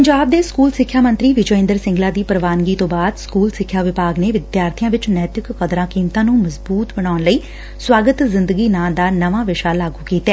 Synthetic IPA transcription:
pəɲd͡ʒaːb̚d̪eːskuːlsɪkʰːjaːmənt̪ɾiːʋɪd͡ʒoːɪ̃nd̪əɾsɪ̃ŋɡlaːd̪iːpəɾʋaːnɡiːt̪õːbaːd̪skuːlsɪkʰːjaːʋɪpaːɡneːʋɪd̪jaːɾt̪ʰɪjãːʋɪt͡ʃnɛːt̪ɪkːəd̪ɾãːkiːmt̪ãːnũːməzbuːt̪bəɽ̃aːnləiː | swaːɡət̪zɪnd̪əɡiːnãːd̪aːnəʋãːʋɪʃaːlaːɡuːkiːt̪ɛː

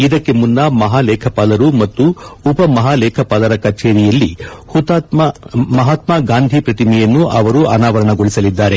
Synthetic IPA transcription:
id̪ɐkːe̞munːɐmɐɦaːlɛːkʰɐpaːlɐɾumɐt̪ːuːpɐmɐɦaːlɛːkʰɐpaːlɐɾɐkɐɾt͡ʃeːɾijɐlːihut̪aːt̪mmɐɦaːt̪maːɡaːnd̪ʱipɾɐt̪imɛjɐnːuʔɐʋɐɾuɐnaːʋɐɾɐɳɐɡo̞ɭisɐlid̪ːaːɾe̞

